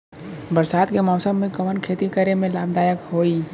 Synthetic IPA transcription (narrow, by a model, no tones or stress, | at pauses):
bəɾsaːd̪kemɔːsəmːẽkəmənkʰeːt̪ikəɾemẽlaːb̚d̪aːjəkhoːiː